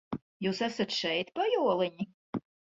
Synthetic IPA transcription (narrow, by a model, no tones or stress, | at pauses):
juːsæsat̪ʃɛjt̪pajuɔlˠɨɲʲi